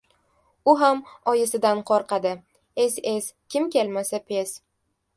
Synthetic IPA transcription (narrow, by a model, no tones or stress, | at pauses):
ʊɦamɒjɪsɪd̪anqʰɒɾqʰɑd̪ɪ | e̞se̞skʲɪmkʲe̞lmasapʰe̞s